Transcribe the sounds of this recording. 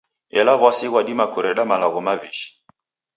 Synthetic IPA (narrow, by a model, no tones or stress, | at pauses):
ɛlaβasiɣwaɗimakuɾɛɗamalaɣɔmaβiʃi̥